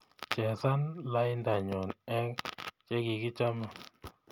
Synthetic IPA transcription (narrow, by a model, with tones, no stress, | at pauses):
t͡ʃɛ˨sa˦nla˦jnda˨ɲɔ˨nɛ˦ŋt͡ʃɛ˦ɡi˨ɡɪ˦t͡ʃa˦ma˨